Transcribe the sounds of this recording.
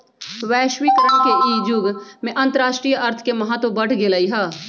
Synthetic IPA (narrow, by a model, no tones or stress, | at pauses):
ʋɛːʃwikəɾəɳ̃keiːd͡ʒʊɡmẽʔɐ̃nt̪əɾaːʃʈɾijɐɾt̪ʰkemɐɦət̪wəbɐɽ̤ʰɡelaiɦaː